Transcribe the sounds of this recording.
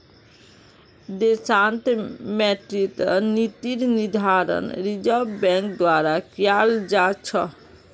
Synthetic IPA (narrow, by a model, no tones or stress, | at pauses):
d̪esant̪mɛʈɾit̪ənit̪iɾnid̪ʱaɾə̰nɾid͡ʒəbbɛ̃ŋk̚d̪waɾakjald͡ʒat͡ʃʰə